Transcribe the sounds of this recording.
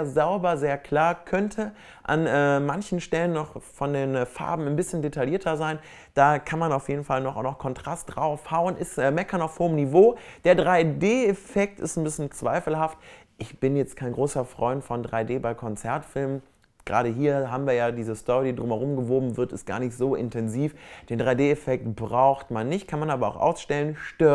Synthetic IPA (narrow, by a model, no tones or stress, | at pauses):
zaʊbɐzeːɐkʰl̥aːɐkʰœntʰə | ʔa̰nɛːmançn̩ʃtɛlənːɔχfɔndeːnfa̰ɐbm̩anbɪsçəndetʰaliːɐtʰɐzaɪn | d̥aːkʰanmanaʊfjeːdn̩falnɔχʊnɔχkʰɔntʁ̥astd̥ʁaʊfhaʊənʔɪsʔɛmɛkɐnaʊfhoːəmnivoːd̥eːɐdʁaɪdeːɛfɛk̚tɪ̰stnbɪsçnt͡sv̥aɪfl̩ɦaft | ʔɪçb̥ɪnjɛt͡stkʰaɪnɡʁoːsɐfʁ̥ɔʏntfɔndʁaɪdeːbaɪkʰɔnt͡sɛɐtfɪlmən | ɡ̥ʁa̰ːɾəɦiːɐɦaːbm̩viːɐjaːdiːzəstɔʁidiːdʁʊmɛʁʊmɡəvoːbm̩vɪɐtɪst̚ɡ̥a̰ːɐnɪçtz̥oːʔɪ̰ntʰɛnziːfd̥eːndʁaɪdeːefɛk̚tb̥ʁaʊxtmanːɪçt̚kʰanmanʔaːbɐa̰ʊxʔa̰ʊsʃtɛlənʃtøɐ